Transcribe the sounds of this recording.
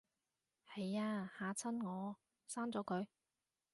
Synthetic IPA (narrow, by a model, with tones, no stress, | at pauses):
he˨˧jaː˧haː˨˧t͡sʰɐ˥nŋɔː˨˧ | saː˥nt͡sɔː˨˥kʰɵ˨˧ɥ